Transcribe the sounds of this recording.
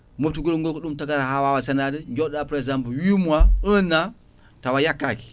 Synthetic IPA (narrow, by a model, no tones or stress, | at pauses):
mutuɡulŋɡokuɗumtaɡaɾahawawasanadəɡʲodapɾezampwimuaəna | tawajakːaki̥